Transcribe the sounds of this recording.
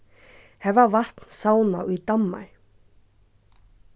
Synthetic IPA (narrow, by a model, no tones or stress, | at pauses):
hɛvavaht̪nsaːwna̰wit̪amːa̰ɾ